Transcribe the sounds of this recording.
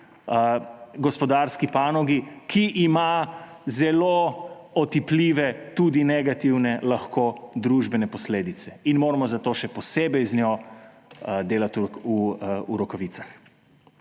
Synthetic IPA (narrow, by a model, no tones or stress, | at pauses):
ɡɔspɔd̪aːɾskipaːnɔɡikʰiʔima | zɛloɔt̪ipliːʋɛt̪uːd̪inɛɡat̪iwnɛlaxkod̪ɾuʒbɛnɛpɔsleːd̪it̪sɛinmoːɾamɔzat̪oʃɛpɔseːbɛjznjɔ | d̪eːlat̪uuuɾɔkɔʋiːt̪sax